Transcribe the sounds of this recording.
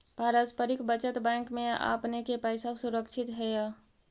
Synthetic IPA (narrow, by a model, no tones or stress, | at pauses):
bʱaɾəspəɾikʰbət͡ʃət̪bãkmea̰pnekepəjsasuɾəkt͡ʃʰit̪ɦɛja